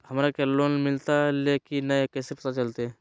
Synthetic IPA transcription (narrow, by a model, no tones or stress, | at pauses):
həmɾakelonmɪlt̪alekinəkesɾpt̪at͡ʃəlt̪e